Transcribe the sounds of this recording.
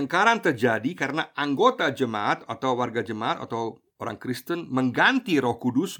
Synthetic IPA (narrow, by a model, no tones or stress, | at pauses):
əŋkaɾant̪ərd͡ʒadikaɾənaʔaŋɡot̪ad͡ʒəmaʔat̪at̪awːarɡad͡ʒəmaat̪a̰t̪aw | oɾa̰ŋkɾɪst̪ənməŋɡant̪iɾɔhkudʊs